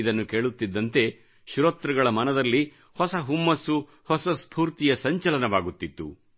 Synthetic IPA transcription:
id̪ɐnːuke̞ːɭut̪ːid̪ːɐnt̪e̞ | ʃuɾɐt̪ɾɐɡɐɭɐmɐnɐd̪ɐlːi | hɔsɐɦumːɐsu | hɔsɐspʰuːɾt̪ijɐsɐɲt͡ʃɐlɐnɐʋaːɡut̪ːit̪ːṵ

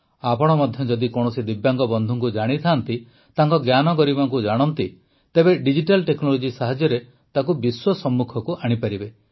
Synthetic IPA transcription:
apɔɽ̃ɔmɔd̪ʱjɔd͡ʒɔd̪ikɔɽ̃ɔsid̪ibjaŋɡɔbɔnd̪ʱuŋkud͡ʒaɽ̃it̪ʰant̪i | t̪aŋkɔɡjanɔkɔɾibaŋkud͡ʒaɽ̃ɔnt̪i | t̪ebeɖid͡ʒiʈalʈeknɔlod͡ʒisaɦad͡ʒjɔɾe | t̪akubiswɔsɔmːukʰɔkuʔaɽ̃ipaɾibe

